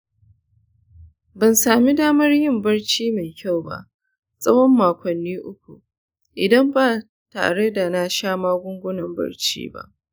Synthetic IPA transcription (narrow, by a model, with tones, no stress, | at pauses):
bɐ˨nsaː˨mi˦daː˦mɐ˦rjɪ˦˨mbɐ˦rt͡ʃiː˦me˨jkʲa˦˨wba̰˦ʔ | sʼɐ˦wɔ˦mːaː˨kʷɐ˨nːiː˦ʔʊ˦kʷu˨ | ʔɪ˨dɐ˦mbaː˦ | ta̰ː˨ɽe˦da˨na˦ʃaː˦maː˦ɡʷʊ˦ŋɡʷʊ˦nɐ˨mbɐ̰˦rt͡ʃḭː˦ba̰˦ʔ